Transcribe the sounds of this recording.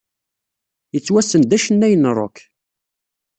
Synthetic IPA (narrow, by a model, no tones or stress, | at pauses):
jət͡sːwæsənd̪æʃənːæjənɾˤo̰k